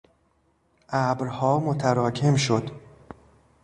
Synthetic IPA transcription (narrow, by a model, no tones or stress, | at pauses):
ʔæbɾhɒːmot̪ʰæɾɒːcʰe̞mʃod̪̥